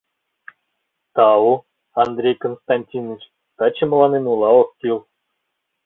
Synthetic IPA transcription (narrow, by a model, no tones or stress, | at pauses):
t̪ɑu | ɑnd̪rʲejkonst̪ɑnʲtʲinɨt͡ɕ | k̪ɑt͡ɕːɘm̆lˠɑnenulˠɑokk̪ʲilˠ